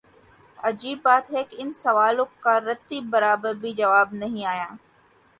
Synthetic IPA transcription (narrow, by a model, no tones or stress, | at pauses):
ɐd͡ʑiːbːaːt̪ɦeːkɪnsɐʋaːlõkaɾɐt̪ːibɐɾaːbəɾbʱid͡ʒɐʋaːbnɐɦĩaːjãː